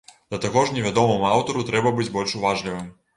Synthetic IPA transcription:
d̪̥ɐt̪aɣɔʐnʲɛvʲad̪ɔmɨmuawt̪ɔɾut̪ɾɛbɐbɨd͡zʲbɔlʲʂuvaʐlʲivɨm

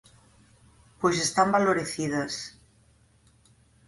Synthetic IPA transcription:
pojsest̪ambaloɾeθiðɐs

